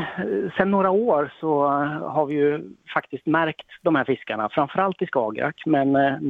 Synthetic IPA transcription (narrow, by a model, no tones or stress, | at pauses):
sɛnːoːɾaoːɾsɔɦaɾvɪjɵfakt̪ɪsk̚t̪mæɾkt̪d̪ɔmhæːɾfɪskaɳa̰fɾamfœɾalt̪ɪskɑːɡɾʔa̰kmɛn